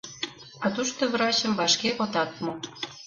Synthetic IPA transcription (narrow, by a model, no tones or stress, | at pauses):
ɑt̪uʃt̪oβɾɑt͡ɕə̆mβɑʃkeɣot̪ɑt̪̚mo